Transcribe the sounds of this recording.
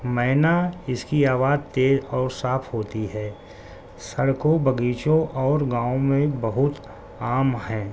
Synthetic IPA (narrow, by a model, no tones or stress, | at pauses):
mɛɦnaɪskiaːʋaːd̪t̪eːzɔːɾsaːpʰɦoːt̪iɦɛː | sɐɽkõbəɡiːt͡ʃõʔɔːɾɡãːõmẽbəɦʊt̪ | aːmɦɛ̃ː